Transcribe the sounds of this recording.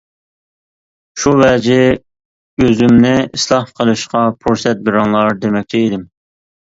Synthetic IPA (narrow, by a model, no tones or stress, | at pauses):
ʃuvɛd͡ʒɪ | øzymnɪislˠɑhqʰəlˠɨʃqɑpʰuɾsɛt̪̚bɪɾɑŋlˠɑɾd̪emɛk̚ʲt͡ʃ̪ʰɛid̪ɪm